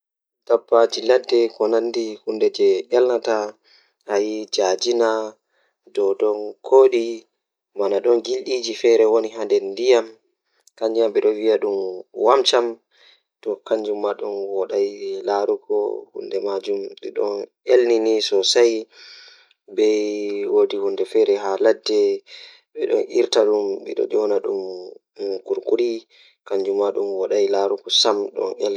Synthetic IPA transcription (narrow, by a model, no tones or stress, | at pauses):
d̥abːad͡ʒiladːɛkɔnandihundɛd͡ʒɛɗɛlnata | hajid͡ʒad͡ʒina | dɔɗɔnkʰoɗi | manaɗɔnɡilɗid͡ʒifɛɾɛwoniɦandɛndijam | kaɲd͡ʒijamɓɛɗɔnwijaɗumwamt͡ʃam | tɔkaɲd͡ʒumːaɗunwɔɗajlaɾuɡɔ̰hṵndɛmad͡ʒumɓɛ̰ɗɔ̰n | elninisɔsaj | bɛwoːdihundɛfɛɾɛɦaladːɛ | ɓɛɗɔ̰nʔḭɾtaɗumɓɛ̰ɗɔ̰d͡ʒɔnaɗum | kuɾkuɾi | kaɲd͡ʒumːaɗumwɔɗajlaɾuɡɔsamɗɔ̰nel